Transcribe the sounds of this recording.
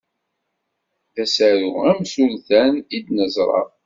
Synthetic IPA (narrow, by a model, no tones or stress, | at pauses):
θæsæɾuæmsulθænid̪nəzˤɾˤɑ̰